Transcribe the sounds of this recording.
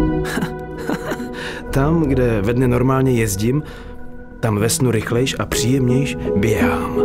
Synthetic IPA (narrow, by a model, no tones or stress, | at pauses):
t̪amɡdɛvɛdnɛno̞ɾmaːlɲɛjɛzɟim | t̪amvɛsnuɾɪxlɛjʃʔapr̝̥iːjɛmɲɛjʃbjɛɦaːm